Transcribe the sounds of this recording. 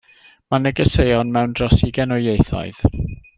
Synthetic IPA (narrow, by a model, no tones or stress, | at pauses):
manəɡəsejɔnmɛwnd̥rɔsiɡɛnɔejθɔ̰ɨð̥